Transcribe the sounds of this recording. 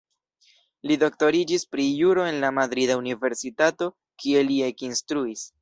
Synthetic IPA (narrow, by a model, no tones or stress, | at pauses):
lido̞k̚to̞ɾid͡ʒispɾijuɾo̞e̞nlamad̪ɾidaunive̞ɾsitato̞ | kie̞lie̞kinstɾuis